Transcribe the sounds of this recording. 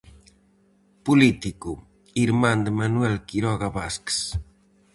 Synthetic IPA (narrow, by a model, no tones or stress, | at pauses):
pulit̪iku | iɾmand̪manwɛlkiɾɔɣaβasks